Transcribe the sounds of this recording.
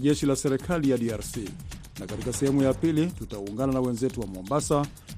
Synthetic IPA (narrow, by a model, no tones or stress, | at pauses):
ʄɛʃilasɛɾɛkʰalijaɗiaɾsi | nakatikasɛhɛmujapilitutauŋɡananawɛnzɛtuwamɔmbasa